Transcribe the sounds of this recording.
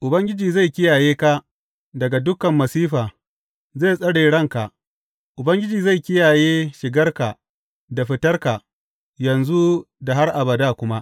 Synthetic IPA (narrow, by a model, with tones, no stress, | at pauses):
ʔʊ˨bɐ˦ŋɡʲɪ˦d͡ʒiː˨za˦˨jkʲɪ˦jaː˨jeː˦ka˦ | dɐ˨ɡa˨dʊ˦kɐ˨mːɐ˨siː˦ɸaː˨ | zeː˦˨sʼɐ˦ɽeː˨ɽɐ˦˨ŋka˨ | ʔʊ˨bɐ˦ŋɡʲɪ˦d͡ʒiː˨za˦˨jkʲɪ˦jaː˨jeː˦ʃɪ˨ɡɐ˦rka˨ | da˨ɸɪ˦tɐ˦rka˨ | jɐ˨nzu˦ | da˨ɦa˦rʔa˨bɐ˨daː˦kʷʊ˦ma˦ʔ